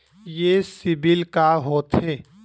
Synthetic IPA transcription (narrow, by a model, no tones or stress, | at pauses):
jesɪbɪlkaɦoːt̪ɦeː